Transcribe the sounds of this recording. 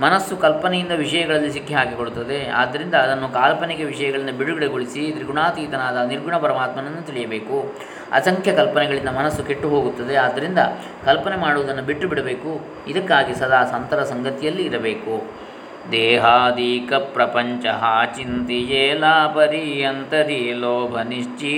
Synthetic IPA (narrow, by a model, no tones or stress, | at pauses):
mɐnɐsːukɐlpɐnɛjind̪ɐʋiʂɐjɐɡɐɭɐlːis̬ikːiɦaːkekoɽut̪ːɐd̪e̞a̰ːd̪ːɐɾind̪ɐːd̪ɐnːukaːlpɐnikeʋiʂɐjɐɡɐɭɐnːɐbiɽuɡɐɽeɡoɭisit̪ɾiɡuɳaːt̪iːt̪ɐnaːd̪ɐniɾɡuɳɐpɐɾɐmaːt̪mɐnɐnːut̪iɭijɐbe̞ːku | ɐ̰sɐŋkʰjɐkɐlpɐnɛɡɐɭind̪ɐmɐnɐsːukeʈːuɦo̞ːɡut̪ːɐd̪e̞aːd̪ːɐɾind̪ɐ | kɐlpɐnemaːɽuʋɐd̪ɐnːubiʈːubiɽɐbe̞ːku | id̪ɐkːaːɡisɐd̪ʱaːsɐnt̪ɐɾɐsɐŋɡɐt̪ijɐlːiːɾɐbe̞ːku | d̪ɛːɦaːd̪iːkɐpɾɐpɐɲt͡ʃɐɦaːt͡ʃint̪ijeːlaːpɐɾijɐnt̪ɐɾiloːbʱɐniʂt͡ʃi